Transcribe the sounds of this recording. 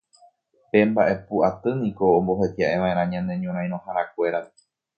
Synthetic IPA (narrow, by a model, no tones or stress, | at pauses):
pe̞mbaʔe̞puʔat̪ɨnĩkõ̞ːmbo̞ɦe̞t̪jaʔe̞ʋãẽɾãɲãne̞ɲõɾãj̃ɾ̃õhaɾãk̚ʷe̞ɾa